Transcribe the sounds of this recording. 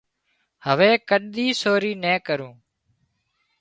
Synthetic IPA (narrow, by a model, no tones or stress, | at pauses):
həʋeːkəɗɗ̪iːsoːɾiːnɛ̃ːkəɾũː